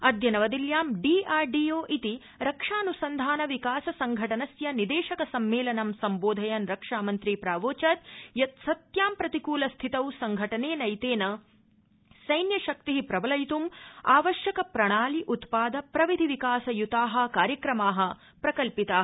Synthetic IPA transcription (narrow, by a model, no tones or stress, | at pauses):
ɐd̪jɐnɐʋɐd̪iljaːmɖiːaːɾɖiːjoːʔit̪i | ɾɐkʂaːnusɐnd̪ʱaːnɐʋikaːsɐsɐŋɡʱɐʈɐnɐsjɐnid̪eːʃɐkɐsɐmːeːlɐnɐmsɐmboːd̪ʱɐjɐnɾɐkʂaːmɐnt̪ɾiːpɾaːʋoːt͡ʃɐːt̪̚jɐt̪sɐt̪jaːmpɾɐt̪ikuːlɐst̪ʰit̪ɐwsɐŋɡʱɐʈɐneːnɐjt̪eːnɐ | sɐjnjɐʃɐk̚t̪iɦipɾɐbɐlɐjt̪umaːʋɐʃjɐkɐpɾɐɳ̃aːliʔut̪paːd̪ɐpɾɐʋid̪ʱiʋikaːsɐjut̪aːɦɐ̆kaːɾjɐkɾɐmaːɦɐ̆ | pɾɐkɐlpit̪aː